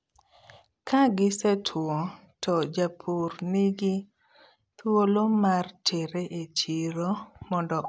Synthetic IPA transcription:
kʰaɡɪsɛtʰwɔ | tɔd͡ʒapʰurniɡi | t̪wolomartʰeɾeʔet͡ʃiɾomɔndɔ

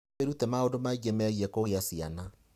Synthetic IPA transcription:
eɾutɛmaondomaiɡemɛɣiɛkoɣeasia̰na

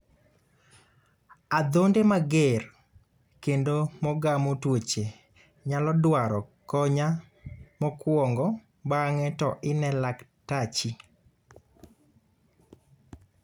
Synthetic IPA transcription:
ad̪ondemaɡer | kendomɔɡamotwot͡ʃe | ɲalɔdwaɾɔkɔɲa | mɔkwɔŋɡɔ | baŋɛtɔʔɪnɛlaktat͡ʃi

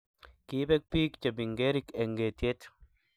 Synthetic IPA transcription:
kibɛk̚piːkt͡ʃabiŋɡeɾikɛŋɡet̪et̪

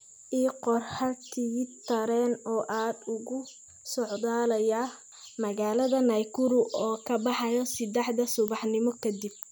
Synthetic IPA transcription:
ʔiːqɔrħɐk̪ʰit̪ʰɐɾɛːnɔːʔaːd̪ʊɣʊ | sɔʕd̪aːlɐjɐ | mɐɣaːlɐðɐnɐjkʰʊɾʊʔɔːkʰɐbɑħɑjɔsɪd̪ɛħd̪ɐsʊβɑħnɪmɔkʰɐd̪ib̚

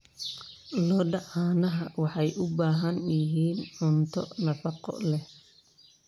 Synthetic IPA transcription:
lɔːɖɑʕaːnɐɦɐwɑħɑjʔʊbaːɦɐnjɪɦiːnʕʊnt̪ʰɔ̰nɐfɑqɔ̰lɛh

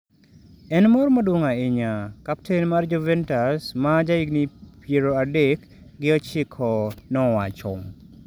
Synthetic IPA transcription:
ɛnmɔɾmodwoŋaeɲakap̚tʰenmard͡ʒɔvɛntasmad͡ʒaiɡnipjeɾoadek | ɡɪɔt͡ʃɪkʰɔnɔwat͡ʃɔŋ

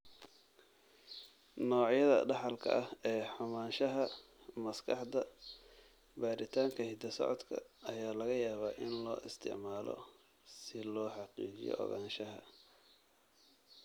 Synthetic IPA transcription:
nɔːʕjɐðɐ̰ɖɑħɑlkʰɐ̰ʔɐhɛːħʊmaːnʃɐɦɐ | mɐskʰɑħd̪ɐ | baːɾɪt̪ʰaːŋkʰɐhɪd̪ɐsɔ̰ʕɔd̪kʰɐ̰ɐjaːlɐɣɐjaːβaːʔɪnlɔ̰ːʔɪst̪ʰɪ̰ʕmaːlɔ̰ | sɪlɔːħɑqḭːt͡ʃɪ̰jɔ̰ʔɔ̰ɣaːnʃɐɦɐ̰

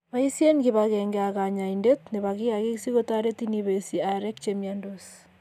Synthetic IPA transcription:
βaisienɣiβaɣeːŋɡeaɣaɲaindetneβaɣiaɣisiɣotaɾetiniβesiaɾekt͡ʃemiandos

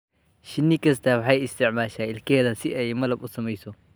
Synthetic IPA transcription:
ʃɪnːɪkʰɐst̪ʰɐwɑħɑjɪst̪ʰɪʕmaːʃaːɪlkʰɛːðɐsɪʔɛjmɐlɐbʊsɐmɛjsɔ

